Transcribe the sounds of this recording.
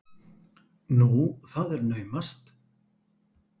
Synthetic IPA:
nuθaðɛɾnœːɥmast̪

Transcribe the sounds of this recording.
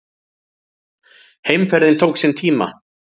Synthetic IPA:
hejmfɛɾðɪnt̪ʰowksɛnt̪ʰiːma̰

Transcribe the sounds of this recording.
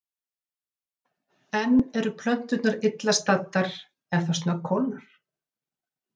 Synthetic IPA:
ɛnːɛɾʏpʰlœn̥t̪ʏt̪naɾɪt̪last̪at̪ːaɾ̥ | ɛnθawsnakʰɔːnʏɾ̥

